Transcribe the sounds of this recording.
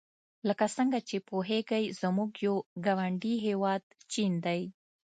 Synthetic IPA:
ləkasəŋɡat͡ʃepoɦeɡajzamuɡjoɡawaɳɖiɦewɑd̪̚t͡ʃind̪aj

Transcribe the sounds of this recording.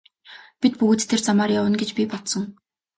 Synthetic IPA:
pit̪̚pɵɣɵːt̪t̪ʰːert͡samaːrjawə̆nɡet͡ɕpʲipɔt̪sə̆ŋ

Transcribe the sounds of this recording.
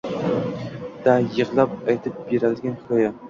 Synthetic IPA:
d̪̥ajɨʁlˠap̚ajt̪ʰɪp̚beɾald̪ɪɡʲankʰɒja

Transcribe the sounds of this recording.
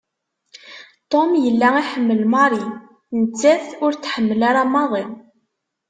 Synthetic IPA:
t̪ˤomjəlːæiħəmːəlmɑɾˤin | nət͡sːæθʊɾθħəmːəlaɾamːɑðˤen

